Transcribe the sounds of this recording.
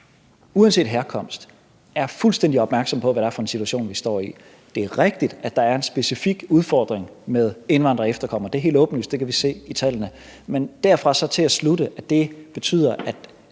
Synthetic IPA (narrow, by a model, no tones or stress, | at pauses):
uænse̝̰ːd̥ɦæɐkʰɒ̽m̰sd̥ | æɐfulsd̥en̰d̥iɒb̥mæɐɡ̥sɒ̽m̰pʰɒ̽ʋæɾ̥æɐfɒ̽e̝nsit͡sʰuæɕo̝̰ːnʋisd̥ɒ̰ːi | d̥e̝æɐʁeɡ̥d̥id̥æd̥ɑ̈æɐe̝nsb̥e̝sifiɡ̥uð̞ˠfɒ̰ːd̥ʁeŋmeðˠe̝nʋɑ̈n̰d̥ʁɐefd̥ɐkʰɒ̽m̰ɐd̥eɐɦe̝̰ld̥ɔ̽ːb̥ən̩lysd̥e̝kʰæʋise̝̰ːit͡sʰælənə | mend̥æɐfʁɑ̈sɒ̽t͡sʰe̝æsludəʔæd̥e̝b̥e̝t͡sʰy̰ːð̰ˠɐʔæd̥